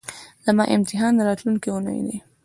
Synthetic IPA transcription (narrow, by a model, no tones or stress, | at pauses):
lamɑʔɪmt̪ɪɦɑnd̪əɾɑt̪luŋkiunə̰jd̪ḭ